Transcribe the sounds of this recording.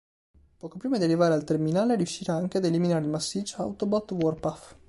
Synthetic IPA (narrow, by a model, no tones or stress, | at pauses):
pɔːkopɾiːmad̪iarivaːɾealt̪erminaːleriuʃːiːɾaaŋk̟ead̪eliminaːɾeilmasːit͡ʃːa̰wt̪obat̪ːwɔrpaf